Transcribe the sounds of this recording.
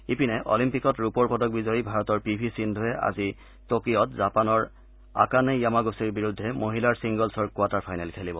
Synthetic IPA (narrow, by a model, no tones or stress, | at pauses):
ipinɛʔɔ̰limpikɔtɹupɔɹpɔdɔk̚bizɔjbʱaɹɔtɔɹpibʱisindʱʊɛa̰zi | tokiɔtzapanɔɹ | a̰kanɛjamaɡosiɹbiɹudʱːɛmoɦilaɹsiŋɡɔlsɔɹkuataɹpʰajnalkʰelibɔ